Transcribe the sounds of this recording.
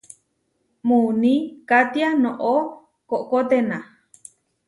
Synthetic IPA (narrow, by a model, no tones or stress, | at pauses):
munĩkat̪ianõʔo | koʔkot̪ena